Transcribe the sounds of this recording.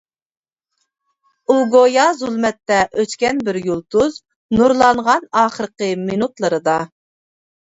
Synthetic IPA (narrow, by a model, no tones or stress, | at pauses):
uɡojɑzulˠmɛt̪ːɛʔøt͡ʃkʲɛnbɪɾjulˠt̪uz | nuɾlˠɑɴʁɑnɑːχəɾəqəminut̪lˠəɾɨd̪ɑ